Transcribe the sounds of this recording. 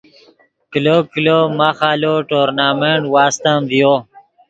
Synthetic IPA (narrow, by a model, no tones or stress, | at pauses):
kilokilomaxaːloʈoːɾnaːmeɳʈwaːst̪amd̪ijo